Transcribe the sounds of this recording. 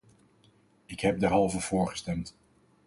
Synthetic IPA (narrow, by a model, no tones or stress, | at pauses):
ɪkɦɛp̚dɛɹɦɑlˠvəv̥ʊːɹχə̥stɛmt